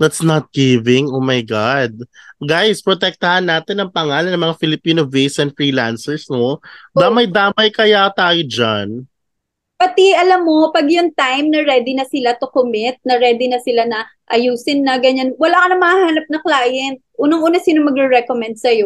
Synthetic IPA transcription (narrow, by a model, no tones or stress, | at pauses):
d̪ɐt̪snɐt̪̚ɡ̥ɪvɪ̃ŋʔomajɡad̪̚ɡajspɹot̪ɛk̚t̪ɐhanːaːt̪ɛnɐŋpɐŋaːlɐnɐŋmɐŋafɪlɪpiːnovejsɛnd̪fɹiːlansɛɹsnod̪amɐjd̪aːmɐjkɐjat̪aːjod͡ʒan | pɐt̪iɐlamːo̞pɐɡjʊŋt̪ajmnɐɾɛːd̪ɪnɐsɪlat̪okomɪt̪̚nɐɾɛːd̪ɪnɐsɪlanɐʔɐjuːsɪnːɐɡɐɲanwɐlaːkɐnɐŋmɐhɐhaːnɐp̚nɐklaːjɛnt̪̚ʔuːnɐŋʔuːnɐsiːnomɐɡɾɛɹɛkomɛnd̪̚sɐjo